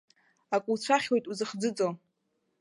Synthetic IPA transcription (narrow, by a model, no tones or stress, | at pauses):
akʷʼuwt͡ɕʷʰaχʲwe̞jtʼuzɨχd͡zɨt͡sʼo